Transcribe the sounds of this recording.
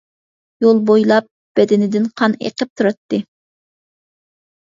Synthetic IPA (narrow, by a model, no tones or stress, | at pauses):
jolˠbojlˠɑp̚ | b̥ɛd̪ɪnɪd̪ɪnqʰɑnḛqəp̚t̪ʰuɾɑt̪ːɨ